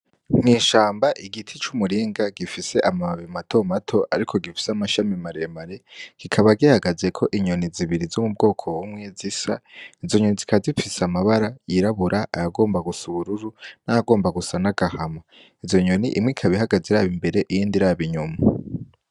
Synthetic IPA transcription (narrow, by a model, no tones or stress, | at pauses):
ŋiːʃaːmbaʔiɡitʰit͡ʃumuɾiːŋɡaɡifise̞ʔamaβimatʰo̞matʰo̞ʔaɾikʰo̞ɡifi̥seamaʃamimaɾe̞maɾe̞ɡ̥ikʰaβaɡihaɡaze̞kʰo̞ʔiɲo̞niziβiɾizumub̚ɡo̞ːkʰo̞womŋezisa̰izo̞ɲonizikazifisamaβaɾajiɾaβuɾʔaʔajaɡo̞ːmbaɡusuβuɾuɾunajaɡo̞ːmbaɡusanaɡ̥ahama | izo̞ɲo̞niʔḭmŋikʰaβihaɡazeɾaːβimbe̞ɾe̞ʔijiːndiɾaβiɲuma